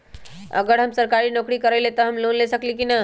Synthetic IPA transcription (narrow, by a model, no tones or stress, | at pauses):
ə̰ɡəɾɦəmsəɾkaɾinɔkɾikəɾɛlet̪ɔɦəmlonlesəklikina